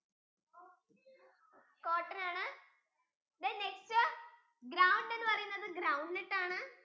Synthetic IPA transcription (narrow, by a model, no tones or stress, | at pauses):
koːʈːɐnaːɳɨ | d̪ɐnekstɨ | ɡɾawɳɖenːɨpɐrɐjunːɐðɨɡɾɐwɳɖniʈːaːɳɨ